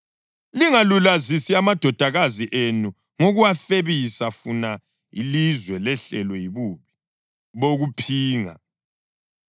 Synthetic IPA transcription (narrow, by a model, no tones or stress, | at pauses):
liŋalulazisiamad̥ʱɔd̥ʱaɣaziʔenu | ŋoɣuwafeβisafuna | ilizwɛlɛɬɛlɔjiβuβi̥ | βoɣupʰiːŋa̰